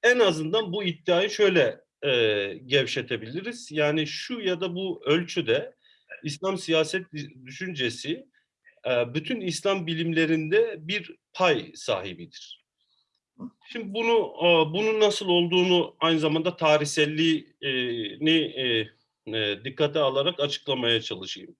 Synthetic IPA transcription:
ɛnazɯnd̪anbuit̪ːiaːjiʃø̞jlʲɛ | ɛːɟɛvʃet̪ʰe̞bilʲiɾiz̥jaːniʃujad̪abuølʲt͡ʃʰyd̪ɛ | islʲamsijaːsɛt̪̚d̪yʃynd͡ʒe̞si | byt̪ʰynislʲambilʲimlʲe̞ɾind̪ɛbiɾpʰajsa̰ːɦibid̪iɾ̥ | ʃimd̪ibunubununːasɯlˠo̞lˠd̪uːnuajnɯzamand̪at̪ʰaːɾiçsɛlʲːiː | ni | d̪ikʰːat̪ʰɛalˠaɾakat͡ʃʰɯ̥klˠamajat͡ʃʰalˠɯʃɯjɯ̰m

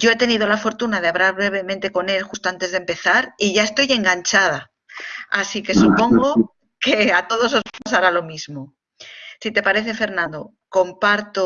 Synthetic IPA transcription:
ɟ͡ʝoe̞t̪e̞nið̞o̞lafo̞ɾt̪unað̞eaβɾaɾβɾe̞β̞e̞mẽnt̪e̞ko̞ne̞lxust̪oant̪e̞zðempe̞θaɾiʝaest̪o̞je̞ŋɡaɲt͡ʃað̞a | asike̞supo̞ŋɡo | ke̞at̪o̞ð̞o̞sozmosaɾalo̞mizmo̞ | sit̪e̞paɾe̞θe̞fe̞ɾnãnd̪o̞ | ko̞mpaɾt̪o

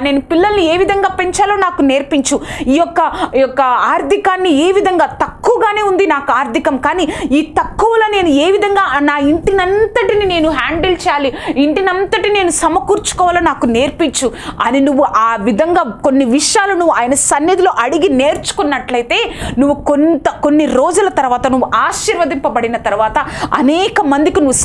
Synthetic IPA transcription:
ne̞ːnupilːɐlnie̞ːʋid̪ʱɐŋɡaːpe̞ɲt͡ʃaːloːnaːkune̞ːɾpiɲt͡ʃuiːjɔkːɐjɔkːɐaːɾd̪ʱikaːnːieːʋid̪ʱɐŋɡaːt̪ɐkːuʋɐɡaːne̞ːund̪inaːkuaːɾd̪ʱikɐmkaːniiːt̪ɐkːuʋɐlɐne̞ːnueːʋid̪ʱɐŋɡaːnaːiɳʈinɐnt̪ɐʈinine̞ːnuɦaːɳɖɐlt͡ʃɛːjaːliiɳʈinɐnt̪ɐʈine̞ːnusɐmɐkuːɾt͡ʃu̥kɔːʋaːlɐnaːkune̞ːɾpiɲt͡ʃːuɐ̰ninuʋːuʔaːʋid̪ʱɐŋɡaːko̞nːiʋiʂjaːlunuʋːuaːjɐnɐsɐnːid̪ilo̞ːʔɐɽiɡine̞ːɾt͡ʃu̥kunːɐʈlɐjit̪e̞ːnuʋːukont̪ɐkonːiɾo̞ːd͡ʒulɐt̪ɐɾuʋaːt̪ɐnuʋːuʔaːʃiɾʋɐd̪ʱimpɐbɐɽinɐt̪ɐɾuʋaːt̪ɐɐ̰nɛːkɐmɐnd̪ikinuʋː

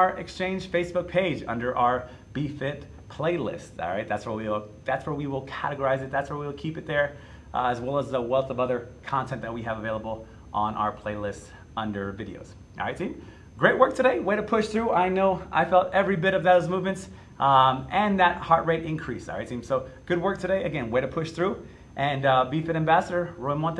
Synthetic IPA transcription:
ə˞ʔɨkst͡ʃʰẽɪ̃nd͡ʒ̥feɪsb̥ʊk̚pʰeɪd͡ʒʌ̰̃ndə˞ʔaʊə˞ | b̥ifɪt̚ | pʰl̥eɪlɪ̰stsɑ̰lˠɹaɪt̪̚ðætswə˞wil̩ˠ | ðætswə˞wiwɪlˠkʰæ̰ɾɨɡə˞aɪzɨt̪̚ðætswə˞wiwlˠkʰipɨt̪̚ðə˞ | ɨzwɛlˠəzðəwɛlˠθʌvʌðə˞kʰɑ̃ntʰɛ̃nðɨt̚wiɨvəveɪlˠəbl̩ˠ | ʔə̃nʔa̰ʊə˞pʰl̥eɪlɪsts | ʌ̃ndə˞vɪɾḭo̰ʊz̥ | ʔɑ̰ɹaɪtsĩm | ɡ̥ɹeɪʔ̚wɜ˞k̚tʰɨɾeɪweɪɾɨpʰʊʃθɹuaɪnoʊa̰ɪfɛlˠtɛvɹibɪɾʌvðoʊzmuvmɨ̃nts | ɨ̃nðɨt̚hɑɹʔ̚ɹeɪɾɪ̃nkʰɹ̥isɑ̰ɹaɪtsʰĩmsoʊɡ̥ʊd̚wɜ˞k̚tʰɨɾeɪʔɨɡɛ̃nweɪɾɨpʰʊʃθɹu | ʔɨ̃nbifɪɾɨ̃mbæsəɾə˞ɹoɪ̃mwɑ̃nt

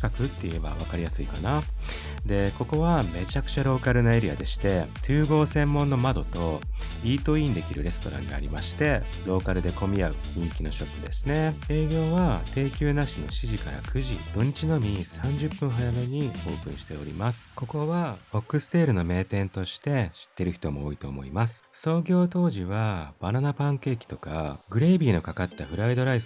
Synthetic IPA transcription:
i̥kakɯ̟t̪ːe̞ie̞ba̰β̞akaɾʲijasɨikana | d̪e̞ko̞ko̞βame̞t͡ɕakɯ̟̥t͡ɕaɾo̞ːkaɾɯ̟nae̞ɾʲia̰d̪e̞ɕi̥t̪e̞t̪ʰɨːɡo̞ːsẽ̞mːõ̞nːo̞mad̪o̞t̪o̞ | iːt̪o̞ːĩnd̪e̞kʲiɾɯ̟ɾe̞sɨ̥t̪o̞ɾã̰ŋɡa̰a̰ɾʲḭmaɕi̥t̪e̞ | ɾo̞ːkaɾɯ̟d̪e̞ko̞mʲiaɯ̟ɲĩŋkʲino̞ɕo̞pːɯ̟d̪e̞sɨ̥ne̞e̞ːɡʲo̞ːβat̪e̞ːkʲɨːnaɕino̞̰ɕiʑikaɾa̰kʰɯ̟ʑḭd̪̥o̞ɲ̟it͡ɕino̞mʲisãɲ̟d͡ʑɨpːɯ̟̃ɰ̃ɦajame̞ɲ̟iho̞ːsɨ̰̃ɕi̥t̪e̞o̞̰ɾʲḭmasɨ̥ko̞ko̞βao̞kːɯ̟sɨ̥t̪e̞ːɾɯ̟no̞me̞ːt̪ẽ̞nt̪o̞ɕi̥t̪e̞ɕi̥t̪ːe̞ɾɯ̟çi̥t̪o̞mo̞oːit̪o̞ːmo̞̰imasɨ̥so̞ːɡʲo̞ːt̪o̞ːʑiβab̥ananapãŋke̞ːkʲi̥t̪o̞ka̰ɡɯ̟ɾe̞ːbʲiːno̞kakat̪ːaɸɯ̟ɾaid̪o̞ɾais

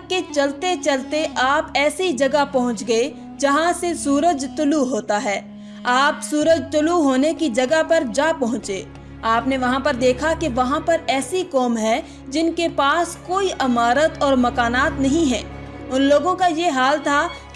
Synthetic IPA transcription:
ket͡ʃɐlt̪et͡ʃɐlt̪eʔaːpɛːsid͡ʒɐɡəpɐɦʊ̃t͡ʃɡɐe | d͡ʒɐɦãsesuːɾəd͡ʒt̪ʊluɦoːt̪aɦɛː | aːpsuːɾəd͡ʒt̪ʊluɦoːnekid͡ʒɐɡəpɐɾd͡ʒapɐɦʊ̃t͡ʃeː | aːpneʋɐɦãpɐɾd̪eːkʰakeʋɐɦãpɐɾɛːsikɔːmɦɛ | d͡ʒɪnkepaːskoːiʔɐmaːɾət̪ɔːɾmɐkaːnaːt̪nɐɦĩɦɛ̃ː | ʊnloːɡõkajeɦaːlt̪ʰak

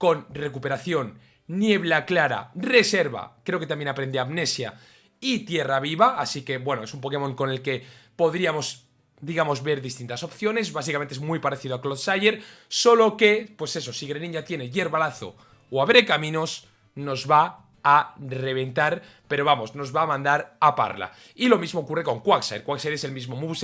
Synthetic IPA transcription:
ko̞nre̞kupe̞ɾaθjonː | je̞β̞laklaɾa̰re̞se̞ɾβa̰kɾe̞oket̪ambje̞napɾe̞nd̪eamne̞sja | it̪je̞raβ̞iβaasike̞βwe̞noesumpo̞ke̞mõ̞ŋko̞ne̞lke̞po̞ðɾiamo̞z | d̪iɣamo̞zβe̞ɾðist̪int̪aso̞pθjo̞ne̞zβas̬ikament̪ezmwujpaɾeθiðoakloðsajeɾso̞lo̞ke̞pwe̞se̞so̞siɣɾenĩɲat̪je̞ne̞ʝe̞ɾβalaθo̰ | oaβɾe̞kamĩno̞s | no̞zβa | are̞β̞e̞nt̪aɾ | pe̞ɾoβamo̞zno̞zβaːmãnd̪aɾapa̰ɾla̰ | ilo̞mizmo̞ːkure̞ko̞ŋkwaksa̰jɾkwaksajɾe̞se̞lmizmomuβs

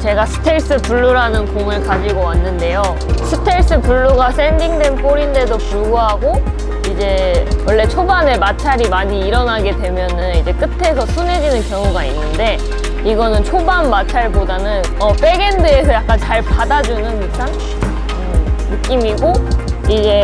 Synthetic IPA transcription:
t͡ɕe̞ɡasʰɯ̥tʰe̞ɭs͈ɯpuɭːuɾanɯnkoŋɯɭkad͡ʑiɡʌwanːɯnde̞jo | sʰɯtʰe̞ɭs͈ɯpuɭːuɡas͈e̞ndiŋdwe̞np͈oɾinde̞dopuɭɡuɦaɡo | id͡ʑe̞wʌɭːe̞t͡ɕʰobanemat͡ɕʰaɾimaɲiːɾʌnaɡe̞dwe̞mjʌnɯnid͡ʑe̞k͈ɯtʰe̞s̬ʰʌsʰune̞d͡ʑinɯnkjʌŋuɡainːɯnde̞ | iɡʌnɯnt͡ɕʰobanmat͡ɕʰaɭpodanɯn | ʌp͈e̞ɡe̞ndɯe̞sʰʌjak͈ant͡ɕaɭpadad͡ʑunɯnusʰan | ɯnɯk͈imiɡoiɡe̞

